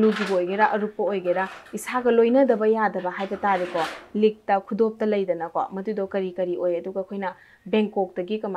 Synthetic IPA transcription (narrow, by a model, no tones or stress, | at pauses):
luɡibɐojɡeɾaʔɐɾupːɐojɡeɾaisaɡɐlojnɐdɐbɐjadɐbɐɦajbɐtaɾekɔlik̚tɐkʰudop̚tɐlɐjdɐnɐko̰mɐdudɔkɐɾikɐɾiʔojɐduɡɐkʰojnɐ | beŋkːok̚dɐɡikɐm